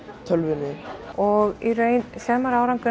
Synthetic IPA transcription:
t̪ʰœlvɪnɪɔɣiɾejnsɛɾmaɾaːwɾaŋkʏ

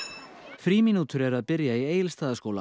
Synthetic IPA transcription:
fɾiːminuːt̪ʏɾɛɾaðpɪɾjaieːjɪlst̪aːðaskoːwla̰

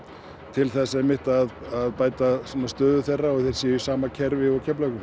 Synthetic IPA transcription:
t̪ʰɪlθɛsːaɛmɪht̪aðaðpaːjt̪asɔnːast̪œːðʏθejrːaɔɣθejɾ̥sijʏsaːmacʰɛɾvɪɔcʰɛplœkʏm

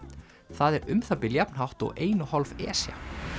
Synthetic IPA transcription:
θaðɛɾʏmθapɪljapnɦawht̪ɔ̰ɣeːjnʏhɔlvɛ̰ːsja̰

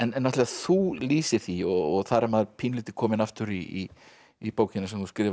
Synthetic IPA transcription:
ɛnnːaht̪lɪaθuliːsɪθiɔɔɣθaɾamaðɾpʰiːnliːt̪ɪ̥kʰɔːmɪnaft̪ʏɾii | ipoːwcɪnasɛmθuskɾɪːv

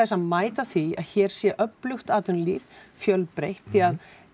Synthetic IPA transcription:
ɛsaðmaːjt̪aθia̰ðçɛːɾ̥sjɛʔœplʏxt̪aːt̪ʏnliɾfjœlpɾejht̪θiað

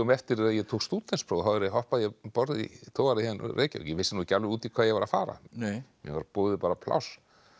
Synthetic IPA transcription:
ʏmɛft̪ɪɾaðjɛt̪ʰowkst̪uːt̪lɛnspʰɾoːðɦavɛɾɦɔhpaðjɛpɔɾðḭt̪ʰoːwɣaɾɪhɛnɾrḛːca̰jɛvɪsːɪnuːcalvɪuːt̪ikʰvaːjɛɣvaɾafa̰ːɾa̰mjɛ̰vaɾpoːðɪpaːɾapʰla̰ws

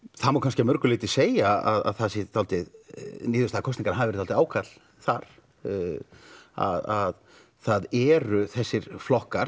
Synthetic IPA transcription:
θamawkʰans̬kcɪamœɾkʏlɪːt̪ɪseːjaa̰ða̰ðθasɪt̪ʰawlt̪ɪðniːðʏst̪aːkʰɔst̪niŋkanaɦaːɪvɛɾt̪ʰalt̪aːwkʰat̪l̥ | θaɾ̥ | a̰ðað | θaðɛɾʏθɛsːɪɾ̥flɔhkaɾ

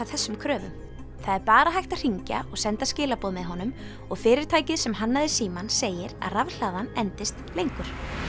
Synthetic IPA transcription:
aθɛsːʏmkʰɾœːvʏ̰m | θaðɛɾpaːɾaɦajht̪ar̥iɲca̰ɔɣsɛnt̪ascɪːlapɔːðmɛðɦɔnʏm | ɔɣfɪːɾɪɾ̥t̪ʰaːjcɪðsɛmɦanːaðɪ̥siːmanseːjɪɾa̰ðravl̥aːðanɛnt̪ɪst̪lejŋkʏɾ̥

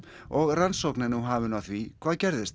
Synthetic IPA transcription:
ɔɣransɔwknɪnuɦaːvʏnawθvikʰv̥aːðcɛɾðɪst̪

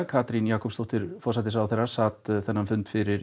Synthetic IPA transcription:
kʰaːt̪ɾinjaːkɔpst̪ɔht̪ɪɾ̥fɔrsaːt̪̬ɪsawθɛjrasaːt̪θɛnːanfʏnt̪fɪɾɪɾ

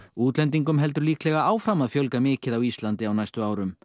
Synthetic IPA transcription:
uːt̪lɛnt̪iŋkʏmɦɛlt̪ʏɾliːklɛɣaaːwfɾamːaðfjœlkamɪːcɪðawist̪lant̪ɪawnajst̪ʏaːwɾʏm

